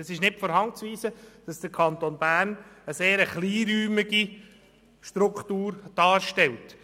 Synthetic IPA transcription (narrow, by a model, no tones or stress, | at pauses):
ɑsɪʃnɪtfɔɾɦɑŋt͡sʋiːsəd̥ɑsd̥əɾkʰɑnt̪onbæːɾnəseːɾəχliːɾyːmɪɡi | ʃtɾʊkχtuːɾd̥ɑːɾʃtɛlt